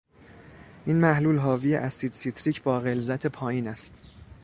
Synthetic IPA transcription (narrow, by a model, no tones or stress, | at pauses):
ʔiːnmæhluːlɦɒːvijḛʔæsiːd̪sit̪ʰɾiːcʰbɒːɣe̞lzæt̪ʰe̞pʰɒːjiːnæst̪